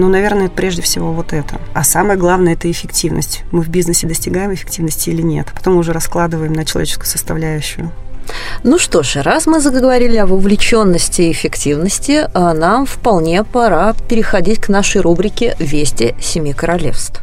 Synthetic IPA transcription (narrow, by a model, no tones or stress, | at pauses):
nunɐvʲe̞rnəɛt̪əpɾʲeʐdʲɪfsʲɪvovo̞t̪ɛt̪əasaməjəɡlˠavnəjəɛt̪əɪfʲɪktʲivnə̰sʲtʲmɨvbʲiznəsʲɪd̪əsʲtʲɪɡajɪmɪfʲɪ̥ktʲivnəsʲtʲɪilʲɪnʲe̞̰t̪pɐt̪omːɨʊʐɛɾɐsklˠad̪ɨvəjɪmnət͡ɕɪlˠɐvʲet͡ɕɪ̥skʊjsəst̪ɐvlʲæjʉɕːʊjʊ | nuʂt̪o̞ʂɾasmɨzəɡəɡəvɐɾʲilʲɪɐbəvlʲɪt͡ɕo̞nːəsʲtʲɪɪfʲɪktʲivnəsʲtʲɪənamfpɐlˠnʲe̞pɐɾapʲɪɾʲɪxɐdʲitʲknaʂəjrubɾʲɪkʲɪvʲesʲtʲɪsʲɪmʲikəɾɐlʲḛfst̪f